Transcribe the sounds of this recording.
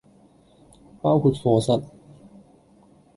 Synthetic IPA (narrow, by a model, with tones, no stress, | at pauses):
paː˥wkʰuː˧t̚fɔː˧sɐ˨t̚